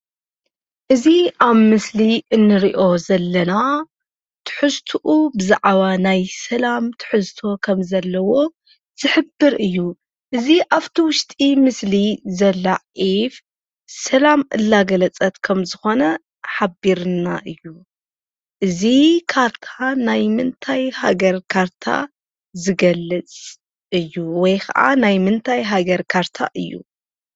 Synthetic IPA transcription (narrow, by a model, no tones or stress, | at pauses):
ʔɨziʔaβmɨsliɨnːɨɾiʔo̞zɐlːɐna | t̪ʰɨ̥ħɨzt̪ʰuʔubɨza̰ʕβanajsɐlamt̪ʰɨ̥ħɨzt̪ʰo̞kʰɐmzɐlːɐwo̞ | z̥ɨħɨbːɨɾɨjːu | ʔɨziʔaβt̪ʰiwʊʃt̪ʼimɨslizɐlːaʕif | sɐlamʔɨ̰lːaɡɐlɐt͡sʼɐt̪kʰɐmzɨxo̞nɐ | ħabiɾɨnaʔɨjːu | ʔɨzikʰaɾt̪ʰanajmɨnt̪ʰajha̰ɡɐɾkʰaɾt̪ʰa̰ | zɨɡɐlːɨt͡sʼ | ɨjːuwɔjkʰa̰ʔa̰najmɨnt̪ʰajɦaɡɐɾkʰaɾt̪ʰa̰ʔɨjːṵ